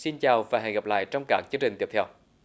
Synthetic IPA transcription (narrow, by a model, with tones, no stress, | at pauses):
si˧nt͡ɕaː˨˩wvaː˨˩ɦa̰˧˩jɣa˨˩p̚la̰ː˧˨jt͡ɕɔ˧wŋ͡mkaː˦˥k̚t͡ɕɨ˧əŋt͡ɕï˨˩ŋt̪i˧˦˩ət̪ʰɛ˧w